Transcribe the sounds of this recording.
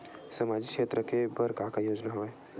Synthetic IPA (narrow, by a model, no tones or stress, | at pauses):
sɐmaːd͡ʒikʃeːt̪ɾəkebəɾkakajoːd͡ʒnaɦoʋeː